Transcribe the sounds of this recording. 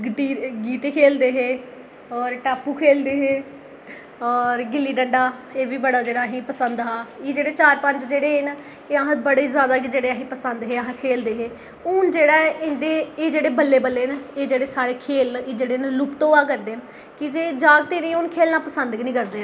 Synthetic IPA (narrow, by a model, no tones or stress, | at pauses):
ɡʈiːɡiːʈ̪eːkʰeːld̪eːɦeː | ɔːɾʈaːpːuːkʰeːld̪eːɦeː | ɔːɾɡɪlːiːɖəɳɖaːeːbiːbəɽaːd͡ʒeːɽaːɦĩːpəsənd̪ɦaːiːd͡ʒeːɽeːt͡ʃaːɾpəɲt͡ʃd͡ʒeːɽeːn | eːəɦãbəɽeizjaːd̪aːkid͡ʒeːɽeːəɦĩːpəsənd̪ɦeːəɦãːkʰeːld̪eːɦeː | ʊnd͡ʒeːɽaːɪ̃nd̪eːeːd͡ʒeːɽeːbəlːeːbəlːeːneːd͡ʒeːɽeːsaːɾeːkʰeːleːd͡ʒeːɽeːnlʊpt̪õːaːkəɾd̪eːn | kɪd͡ʒeːd͡ʒaːɡt̪eːnĩːʊnkʰeːlnaːpəsənd̪ɡnĩːkəɾd̪eː